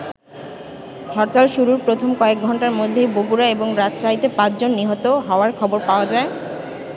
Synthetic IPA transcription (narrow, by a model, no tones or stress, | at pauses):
ɦɔɾt̪alʃuɾuɾpɾot̪ʰomkɔek̚ɡʱɔɳʈaɾmod̪ʱːejboɡuɾaeboŋɾat̪ʃaɦit̪epãt͡ɕd͡ʑonːiɦɔt̪oɦɔoaɾkʰɔboɾpaoad͡ʑae